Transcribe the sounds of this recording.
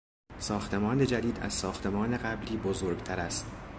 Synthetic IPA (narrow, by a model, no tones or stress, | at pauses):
sɒːxt̪ʰe̞mɒːne̞d͡ʒæd̪iːd̪æ̰z̥sɒːxt̪ʰe̞mɒːne̞ɣæbliːbozoːɾɡt̪ʰæɾæst̪